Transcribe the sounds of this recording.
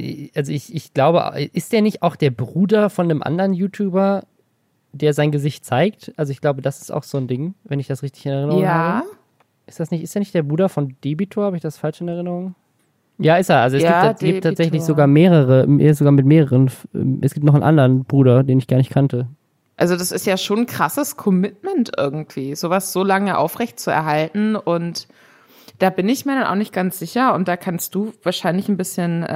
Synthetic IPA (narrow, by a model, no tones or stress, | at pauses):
ʔalzoɪçɪçɡ̥laʊbəʔa̰ʔɪstdeːɐnɪçtaʊxd̥eːɐbʁuːdɐfɔndəmʔa̰ndɐʁənjuːtʰjuːbɐ | d̥eːɐzaɪnɡəzɪçt̚t͡saɪk̚tʔalzoɪçɡ̥laʊbədasɪ̥sta̰ʊxz̥oːndɪŋvɛnɪçd̥asʁɪçtɪçɪnɛɐʁɪnəʁŋaːbə | ʔɪstd̥asnɪçtʔɪsteːɐnɪçtd̥eːɐbʁuːdɐfɔnd̥eːbitʰoːhaːbəɪçd̥asfalʃɪnɛɐʁɪnəʁʊŋ | jaːɪsteːalzoɛsɡ̥iːɡiːpttʰːaːtz̥ɛçlɪçz̥oɡaːɐmeːʁəʁəḛzoɡaːɐmɪtmeːʁəʁənɛ̰ʔɛsɡ̥iːptnɔχn̩ʔa̰ndəʁənbʁuːɾɐdeːnɪçɡ̥aɐnɪçkʰantə | ʔalzodasɪstjaːʃoːnkʁ̥asəskʰɔmɪtmɛntʔɪɐɡŋ̩tv̥iːzoːvasz̥oːlaŋəʔa̰ʊfʁɛçtt͡suɛ̰ɐɦaltn̩ʔʊnt | d̥aːbɪnɪçmiːɐɾanʔa̰ʊxnɪçt̚ɡ̥ant͡sz̥ɪçɐʊnt̚d̥aːkʰanst̚d̥uːvaːɐʃaɪnlɪçn̩bɪsçən